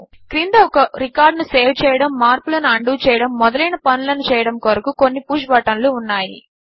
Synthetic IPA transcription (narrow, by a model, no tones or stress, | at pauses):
kɾind̪ɐɔkɐɾikaːɾɖnuseːwt͡ʃɛːjɐɽɐmːaːɾpulɐnuɐɳɖuːt͡ʃɛːjɐɽɐmːɔd̪ɐlɐjnɐpɐnulɐnut͡ʃɛːjɐɽɐmkoɾɐkuko̞nːipuːʃbaːʈɐnluːnːaːjḭ